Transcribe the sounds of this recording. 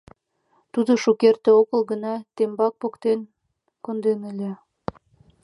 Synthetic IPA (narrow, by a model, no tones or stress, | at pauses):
t̪ud̪oʃukert̪ĕokə̆lɡə̆nɑt̪embɑk̚pokt̪en | kond̪enelʲe